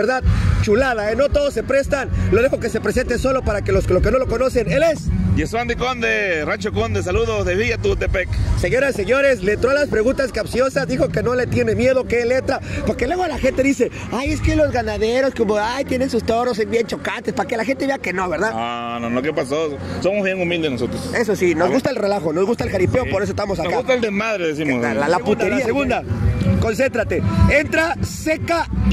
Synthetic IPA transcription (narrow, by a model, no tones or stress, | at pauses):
eɾðaðt͡ʃulaðaeno̞t̪o̞ðosːepɾe̞st̪anlo̞ðexokese̞pɾe̞se̞nt̪eso̞lo̞paɾakelosloke̞no̞lo̞ko̞no̞se̞ne̞lesjeswand̪ikond̪erat͡ʃokond̪es̬aluðoðeβiʝat̪ut̪epekse̞ɲo̞ɾase̞ɲo̞ɾe̞slent̪ɾoalaspɾe̞ɣunt̪askapsjo̞sazðixo̞ke̞no̞le̞t̪je̞ne̞mje̞ðokeelet̪ɾapoɾkelwe̞ɣolaxe̞nt̪eðise̞ | aje̞skelo̞zɣanaðeɾoskomoajt̪je̞ne̞nsust̪o̞ɾos̬embjent͡ʃo̞kat̪espake̞laxent̪e̞βe̞ake̞no̞βe̞ɾðaanonokepaso | so̞mozβjeŋumild̪enosot̪ɾose̞sosinozɣust̪aelre̞laxo̞no̞zɣust̪aelxaɾipeopoɾesoest̪amos̬anokaust̪aeld̪emaðɾeðes̬imosalaput̪eɾiaseɣund̪ako̞ns̬e̞nt̪ɾat̪e̞e̞nt̪ɾase̞ka